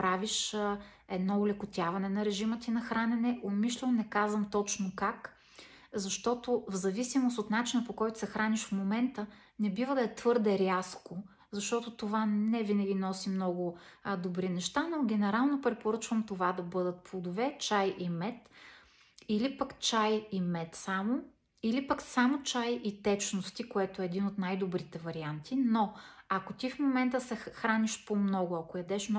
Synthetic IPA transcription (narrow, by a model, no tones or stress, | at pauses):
pɾaviʃ | ɛd̪nɔʊlɛkʊt̪ʲjavɐnɛnɐɾɛʒimət̪inɐxɾanɛnɛʔomiʃlɛnɛkazvɐmt̪ɔt͡ʃnokak | zɐʃt̪ɔt̪ovzɐvisimost̪ot̪nat͡ʃinəpokɔjt̪ʊ̥sɛxɾaniʃfmomɛnt̪ə | nɛbivəd̪ɐɛt̪vɤɾd̪ɛɾʲasko | zɐʃt̪ɔt̪ʊt̪ovanɛvinɐɡʲinɔsimnɔɡʊd̪obɾinɛʃt̪anoɡʲɛnɛɾalˠnopɾɛpoɾɤt͡ʃvəmt̪ovad̪ɐbɤd̪ət̪̚plˠod̪ovɛt͡ʃajʔimɛt̪ | ilipɐkt͡ʃajimɛt̪samo | ilipəksamot͡ʃajit̪ɛt͡ʃnost̪ikoɛt̪oɛːd̪inot̪najd̪obɾit̪ɛvɐɾiant̪inoɐkot̪ifmomɛnt̪əsɛxɾanʲiʃpomnɔɡʊɐkojɐd̪ɛʃmn